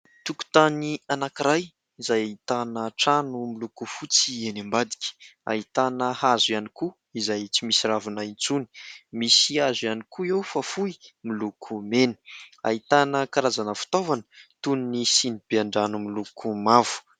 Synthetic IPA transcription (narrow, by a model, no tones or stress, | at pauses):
t̪uku̥t̪anianakiɾaj | izajait̪anəʈ͡ʂanumilukufut͡sienambad̪i̥kʲə̥a̰it̪anəhazujaniku | izajt͡simisiravunaint͡suni̥misiazjanikʰuewfafuimilukʰumenə̥a̰it̪anəkaɾazanəfu̥t̪ovanə̥t̪unnisinib̥eaɳɖ͡ʐanumilukʰumavu̥